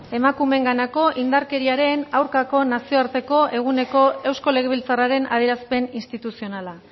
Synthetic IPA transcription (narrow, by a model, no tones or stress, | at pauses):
e̞makume̞ŋɡanako̞ʔind̪aɾke̞ɾiaɾe̞nawɾkako̞nasio̞aɾt̪e̞ko̞ʔe̞ɣ̞une̞ko̞e̞wsko̞le̞ɣeβ̞ilt͡saraɾe̞na̰ðeɾaspe̞ninst̪it̪usio̞nala